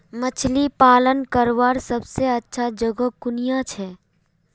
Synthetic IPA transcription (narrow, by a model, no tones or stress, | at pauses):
mət͡ʃʰlipaːlənkəɾʋaːɾsəbseətːʃʰad͡ʒəɡəkːʊnijat͡ʃʰɛː